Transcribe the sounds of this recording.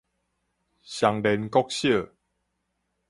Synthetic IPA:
ɕja˨ŋle˨nkɔ˦k̚ɕjə˥˨

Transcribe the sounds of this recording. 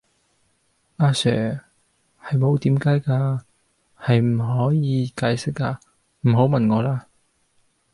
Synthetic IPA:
ʔaː˧sœː˨˩ | hɐ˨jmo˨˧wt̪iː˨˥mkaː˨˥jkaː˧ | hɐ˨jm̩˨˩ɦɔː˨˥jiː˨˧kaː˨˥jsɪ˥k̚ːaː˧ | m̩˨˩ɦo˨˥wmɐ˨˩nŋɔː˨˧laː˧

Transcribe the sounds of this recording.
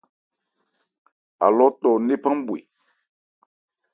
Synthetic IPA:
a̰˨lɔ˦tɔ˨ne˦pã˦ŋ˦bwḛ˨

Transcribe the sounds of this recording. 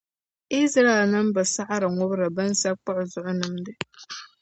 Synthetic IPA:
i˦sɾa˦e˨lnɨ˦mba˨sa˦ʔa˦ɾɨ˨ŋʊ˦bɾa˨bɐ˦n˦sa˦k͡pʊ˦ʔʊ˨zʊ˨ʔʊ˦nɨ˨mdɨ˨

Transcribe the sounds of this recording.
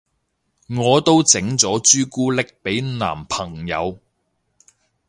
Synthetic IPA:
ŋɔː˨˧t̪o˥wt͡sɪ˨˥ŋt͡sɔː˨˥t͡ʃyː˥kuː˥lɪ˥k̚pe˨˥jna̰ː˨˩mpʰɐ˨˩ŋjɐ̰˨˧w

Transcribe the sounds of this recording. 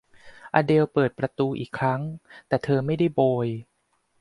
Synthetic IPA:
ʔa̰ː˧de˧wpɤː˨˩t̪̚pɾa˧t̪uː˧ʔḭː˨˩kʰːɾa˦˥ŋt̪ɛː˨˩t̪ʰɤː˧ma˥˩jda˥˩jboː˧j

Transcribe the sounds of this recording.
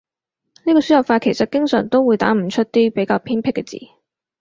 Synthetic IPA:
niː˥kɔː˧yː˨˥jɐ˨˩wfaː˧t̚kʰe˨˩jsɐ˨t̚kɪ˥ŋsœ̰˨˩ŋt̪o˥wuː˨˧jt̪a̰ː˨˥m̩˨˩t͡ʃʰɵ˥t̚t̪iː˥pe˨˥jkaː˧wpʰiː˥npʰɪ˥kːɛ˧t͡sḭː˨˥

